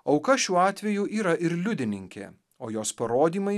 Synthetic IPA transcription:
ɒʊkɐʃʲuːɑːt̪ʲʋʲɛjʊʔiːɾɐʔɪɾlʲʊd̪ʲɪnʲɪŋʲkʲḛː | oːjoːspɐɾoːd̪ʲiːmɐɪ

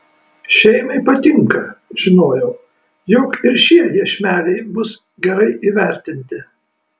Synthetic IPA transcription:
ʃʲɛɪmɐɪpɐt̪ʲɪŋkɐʒ̥ʲɪnoːjɛʊ | jɔkɪɾʃʲiɛjiʃʲmʲæːlʲɛɪbʊs | ɡʲɛɾɐɪʔiːʋʲæˑɾʲt̪ʲɪnʲt̪ʲɪ

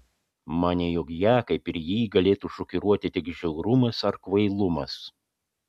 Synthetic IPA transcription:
mɑːnʲɛjʊkjæːkɐɪpɪɾjiːɡɐlʲeːt̪uˑʃʊkʲɪɾuɔt̪ʲɪt̪ʲɪɡʒʲɛʊɾʊmɐsɐɾkʋɐɪlˠʊmɐ̰s

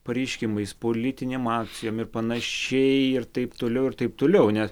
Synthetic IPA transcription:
pɐɾʲɛɪʃʲkʲɪmɐɪspoːlʲɪt̪ʲɪnʲeːmɑːkt͡sʲɪjoːmɪrpɐnɐʃʲɛɪɪrt̪ɐɪpt̪oːlʲɛʊɪɾt̪ɐɪp̚t̪oːlʲɛʊnʲɛs

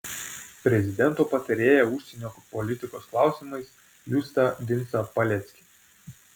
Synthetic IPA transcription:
pʲɾʲɛzʲɪd̪ʲɛnˑt̪oːpɐt̪ɐɾʲeːjɛʊʃʲsʲɛnʲoːpɔlʲɪt̪ʲɪkoːsklˠɑˑʊsʲimɐɪs | juːst̪ɐd̪ʲɪnʲsɐpɐlʲɛt̪sʲkʲɪ̥

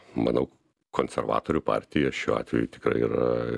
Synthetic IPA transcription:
mɐ̰nɐʊ | kʰoːnʲsʲɛɾʋɑ̰ːt̪oːɾʲupɑ̰ːɾʲt̪ʲɪjɛʃʲuːɑ̰ːt̪ʲʋʲɛ̰jṵt̪ʲɪ̥kɾɐ̰ɪḭːɾɐ

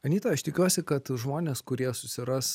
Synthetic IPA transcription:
ɐnʲiːt̪ɐɐʃt̪ʲɪkʲuɔsʲɪkɐt̪ʒmoːnʲeːskʊɾʲiɛsʊsʲɪɾɐs

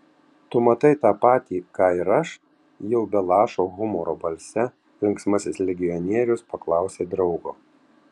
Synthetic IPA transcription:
t̪ʊmɐt̪ɐɪt̪ɑːpɑːt̪ʲiːkɑːɪɾɐʃ | jɛʊbʲɛlˠɑːʃoːɣʊmɔɾoːbɐlʲsʲɛ | lʲɪŋksmɐsʲɪslʲɛɡʲɪɔnʲiɛɾʲʊspɐklˠɑˑʊsʲeːd̪ɾɒʊɡoː

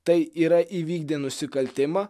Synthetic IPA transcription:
t̪ɐɪiːɾɐʔiʋʲiːɡ̚d̪ʲeːnʊsʲɪkɐlʲt̪ʲɪmɐ

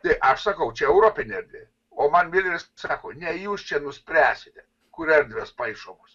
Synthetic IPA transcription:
t̪ɐɪʔɐʃsɑkɐʊt͡ʃʲɛɛʊɾoːpʲɪnʲɛɾʲd̪ʋʲe | oːmɐnʋʲiːd̪ʲʋʲɪssɑːkoːnʲɛjuːst͡ʃʲɛnʊsʲpʲɾʲæːsʲɪt̪ʲɛ | kʊɾɛɾʲd̪ʲʋʲɛspɐɪʃoːmʊs

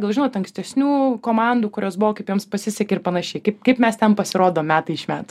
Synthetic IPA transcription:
ɡɐlˠʒʲɪnoːt̪ɐŋksʲt̪ʲɛsʲnʲuːkoːmɑnd̪uːkʊɾʲʔoːsbʊʋoːkɐɪpjuːmspɐsʲɪsʲɛkʲɛɪrpɐnɐʃʲɛɪkɐɪp̚kɐɪpmʲɛst̪ʲɛnpɐsʲɪɾoːd̪oːmʲæːt̪ɐɪɪʃmʲæ̰ːt̪

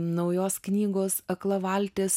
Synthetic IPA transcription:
nɒʊjoːsknʲiːɡoːsɐklˠɐʋɑlʲt̪ʲeːs

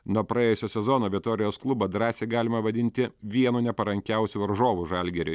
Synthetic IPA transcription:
nuɔpɾɐeːjʊsʲoːsʲɛzoːnoːʋʲɪt̪oːɾʲɪjoːsklˠʊboːd̪ɾɑːsʲeːɡɑːlʲɪmɐʋɐd̪ʲɪnʲt̪ʲɪʋʲiɛnuːnʲɛpɐɾɐŋʲkʲɛʊsʲuʋɐɾʒoːʋuʒɑlʲɡʲɛɾʲʊ

